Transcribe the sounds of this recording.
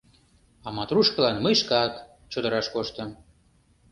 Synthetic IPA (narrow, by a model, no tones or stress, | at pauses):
ɑmɑt̪ruʃkə̆lɑnməjʃkɑk | t͡ɕod̪əɾɑʃkoʃt̪əm